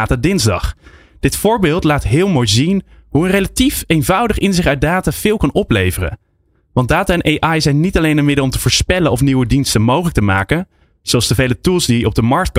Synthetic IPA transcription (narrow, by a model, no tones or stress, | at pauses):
taːdɪnzdɑ̰χ | d̥ɪtfʊːɹbɪːlˠtlaːtɦɪːlˠmojzinɦuənrelatifejnvʌwdəχɪnzɪχœɥ̚daːtaːv̥ɪːlˠkɑnɔplejvərə̰n | ʋɑndaːtaɛnʔejʔɑjzɛjnːitɑlejnənmɪdəlˠɔmtəvʊːɹspɛlənɔfniwədinstənmowχələk̚təmaːkən | z̥owɑlˠsdəvejlətulˠsdiɔb̚dəmɑɹk̚t̚k